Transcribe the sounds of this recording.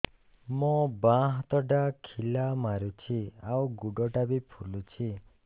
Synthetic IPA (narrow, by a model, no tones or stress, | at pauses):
mɔbãɦt̪ɔɖakʰilamaɾut͡ʃʰiawɡuɖɔʈabipʰulut͡ʃʰi